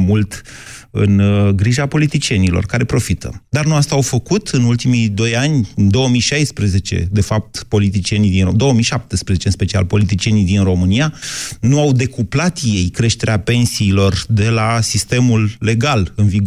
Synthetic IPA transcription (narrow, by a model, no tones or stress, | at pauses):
mult̪ɨ̰nɡɾiʒapo̞lit̪it͡ʃie̞nilo̞̰rkaɾe̞pɾo̞fit̪ə̰d̪arnuast̪aːwfəkut̪ʰɨnult̪imijd̪o̞janʲɨnd̪o̞wəmijʃajspɾeze̞t͡ʃe̞̰d̪e̞fap̚t̪po̞lit̪it͡ʃie̞nijd̪ind̪o̞oəmijʃap̚t̪əspɾezet͡ʃeɨnspe̞t͡ʃia̰lpo̞lit̪̬it͡ʃie̞nijd̪inro̞mɨnianuawd̪e̞kuplat̪je̞jkɾe̞ʃt̪e̞ɾeape̞nsiːlo̞rd̪e̞lasist̪e̞mulːe̞ɡalɨnviɡ